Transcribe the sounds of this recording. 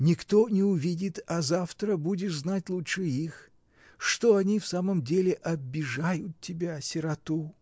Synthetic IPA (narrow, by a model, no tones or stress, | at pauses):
nʲɪkt̪onʲɪʊvʲidʲɪt̪ɐzaft̪ɾəbudʲɪznatʲlˠutʂɨix | ʂt̪oɐnʲifsaməmdʲelʲɪʔɐbʲːɪʐajʊt̪̚tʲːɪbʲasʲɪɾɐt̪u